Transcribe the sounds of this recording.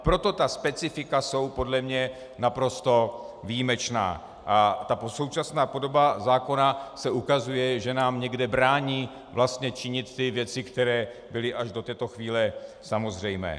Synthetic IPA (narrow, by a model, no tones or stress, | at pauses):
pɾo̞t̪o̞t̪aspɛt͡sɪfɪkaso̞wpo̞dlɛmɲɛ | napɾo̞st̪o̞ | vijimɛt͡ʃna̰ː | ʔat̪aposo̞wt͡ʃasnaːpo̞do̞bazaːko̞nasɛʔukazujɛʒɛnaːmɲɛɡdɛbɾaːɲiː | vlast̪ɲɛt͡ʃɪɲɪt̪ːɪvjɛt͡sɪkt̪ɛɾɛː | bɪlɪʔaʒdo̞t̪ɛːt̪o̞xviːlɛsamo̞zr̝ɛjmɛ̰ː